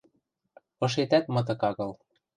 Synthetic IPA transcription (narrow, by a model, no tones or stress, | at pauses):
ɤ̆ʃ̬et̪æt̪̚mɤ̆t̪̬ɤ̆kɑɣɤ̆l